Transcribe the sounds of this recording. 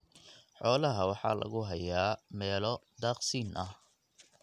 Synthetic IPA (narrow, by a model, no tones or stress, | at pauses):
ħɔːlɐɦɐwɑħɑ̰ːlʔɐ̰ɣʊɦɐjaːmɛːlɔd̪aːqsiːnʔɐh